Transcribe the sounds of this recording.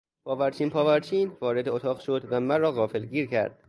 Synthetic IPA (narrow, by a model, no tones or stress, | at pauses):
pʰɒːvæɾt͡ʃʰiːnpʰɒːvæɾt͡ʃʰiːnvɒːɾe̞d̪eot̪ʰɒːɣʃod̪væmænrɒːɣɒːfelɡiːɾcʰæ̰ɾd̪̥̚